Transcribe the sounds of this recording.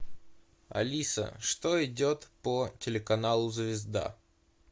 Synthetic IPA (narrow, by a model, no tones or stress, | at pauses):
ɐ̰lʲisə̰ʂt̪o̞ɪdʲo̞t̪pətʲɪlʲɪkɐnalˠʊzvʲɪzd̪a̰